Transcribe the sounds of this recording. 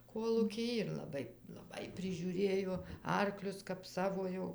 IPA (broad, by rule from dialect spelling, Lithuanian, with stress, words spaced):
ˈkoːlˠuːkʲɪj ɪr lˠɐˈbɐɪ lˠɐˈbɐɪ pʲrʲɪʒʲuːˈrʲeːjoː ˈɐrklʲʊs kɐp ˈsɑːʋoː jɛʊ